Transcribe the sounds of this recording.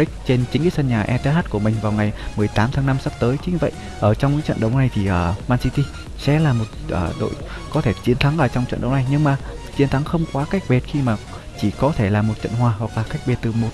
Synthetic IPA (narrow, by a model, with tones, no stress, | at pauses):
ï˦˥k̟̚t͡ɕe˧nt͡ɕï˨˦ŋki˨˦sə˧nɲaː˨˩ʔɛ˧t̪ɛ˧˦haː˦˥t̚ku˧˩əmï˨˩ŋ̟vaː˨˩wŋa˨˩jmɨ˨˩əjt̪aː˨˦mt̪ʰaː˨˦ŋna˧msa˦˥p̚t̪əː˨˦jt͡ɕi˨˦ɲ˧˩və̰˧˨jʔ | ʔəː˧˩t͡ɕɔ˧wŋ͡mka̰ː˧˦t͡ɕə̰˧˨nɗə˨˦wna˨˩jt̪ʰi˨˩ʔəː˧˩maː˧nsi˧t̪i˧ | sɛ̰˧˥laː˨˩mo˨˩t̚ʔəː˧˩ɗo̰˧˨jkɔ˨˦t̪ʰe˧˩t͡ɕi˨˦ənt̪ʰa˨˦ŋʔəː˧˩t͡ɕɔ˧wŋ͡mt͡ɕə̰˧˨nɗə˨˦wna˨˩jɲɨ˧ŋmaː˨˩t͡ɕi˨˦ənt̪ʰa˨˦ŋxə˧wŋ͡mkwaː˨˦ka˦˥jk̟̚ɓe˨˩t̚xi˧maː˨˩ | t͡ɕi˧˩kɔ˨˦t̪ʰe˧˩laː˨˩mo˨˩t̚t͡ɕə̰˧˨nhwaː˨˧˩ɦwa˨˩k̚laː˨˩ka˦˥jk̟̚ɓe˨˩t̪̚ɨ˨˩mo˨˩t̚